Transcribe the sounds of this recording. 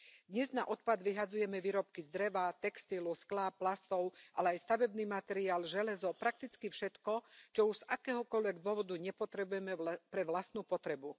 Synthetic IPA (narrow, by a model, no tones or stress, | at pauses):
d̪ɲɛznaʔɔt̪̚pad̪ʋiɦad͡zujɛmɛʋiːɾɔp̚kizd̪ɾɛʋat̪ɛkst̪ilusklapːlast̪ɔʊʔalɛajst̪aʋɛbniːmat̪ɛɾiaːlʒɛlɛzɔpɾak̚t̪it͡skifʃɛt̪kɔt͡ʃɔuʒz̥akɛːɦɔkɔlʋɛɡd̪ʊɔʋɔd̪uɲɛpɔt̪ɾɛbujɛmɛpɾɛʋlast̪nuːpɔt̪ɾɛbu